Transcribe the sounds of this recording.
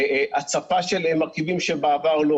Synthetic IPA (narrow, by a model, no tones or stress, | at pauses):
at͡safaʃelemːaʁkivimʃebeavaʁlo